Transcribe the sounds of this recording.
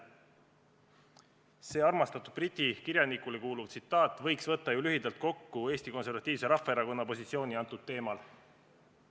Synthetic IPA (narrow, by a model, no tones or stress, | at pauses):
se̞ːɑrmɑst̪ɑt̪ˑud̪̥̚brit̪ʲːˑikiɾjɑnikule̞kuːluvt̪sit̪ːˑɑːt̪ːˑvɤ̞jksvɤt̪ːɑjulyɦid̪ɑlt̪̚ko̞kːue̞ːsʲt̪iko̞ns̬e̞ɾvɑt̪ːˑiːvse̞ɾɑfːɑeɾɑko̞nːɑpo̞sʲit̪sio̞ːniɑnt̪ːˑud̪̥̚t̪ːe̞ːmɑl